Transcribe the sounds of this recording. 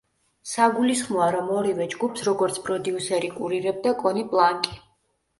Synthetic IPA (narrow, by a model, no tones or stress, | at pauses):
saɡulisχmɔaɾamɔɾivɛd͡ʒɡupʰsɾɔɡɔɾt̪sʰpʼɾɔd̪iusɛɾikʼuɾiɾɛb̚d̪akʼɔnipʼlˠaŋkʼi̥